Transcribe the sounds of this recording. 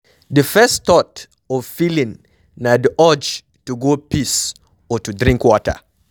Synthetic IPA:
dəfɛst̪ɔt | ɔvfilĩŋ | nadʔɔd͡ʒ | tuɡopis | ɔtudɾĩŋkwɔtə̰

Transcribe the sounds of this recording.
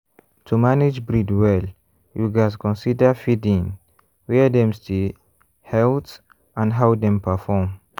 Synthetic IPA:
tʰumanid͡ʒbɹidwɛl | juɡaskɔ̃nsidəfidĩŋ | wɛdɛ̃mste | hɛlt | ãnɦawdɛ̃mpʰəfɔm

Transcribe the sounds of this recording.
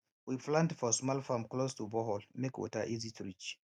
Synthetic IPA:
wiflãntfɔsmɔlfamklostubɔɦɔlmekwɔ̰taʔizitɹit͡ʃ

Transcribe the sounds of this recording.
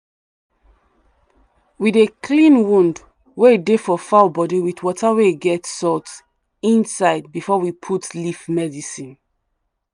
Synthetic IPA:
wiðekʰlĩnwũnd | weidefɔfaʊbɔdiwiθwɔtaweiɡɛtsɔt | ĩnsaɪd̚bifɔwipʰutlifmɛdisĩn

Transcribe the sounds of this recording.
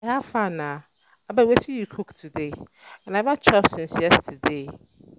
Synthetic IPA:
hafanã | abawɛtʰijikʰʊktʰude | ɛ̃nãbat͡ʃʰɔpsɪ̃nsjɛstʰde

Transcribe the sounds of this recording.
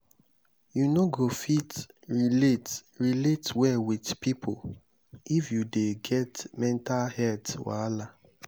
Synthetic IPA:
junoɡofitɹiletɹiletwɛwidpipʰo̰ | ifjudeɡɛtmɛ̃ntalhɛtwa̰la

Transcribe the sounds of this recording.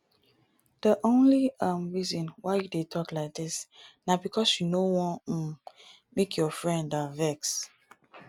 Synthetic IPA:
d̥əʔõnliʌ̃mɹizɔ̃nwaɪjudetʰɔklaɪk̚dɪsnabikʰɔsjunowɔ̃n̩ | mekʰjɔfɹɛ̃ndavɛks

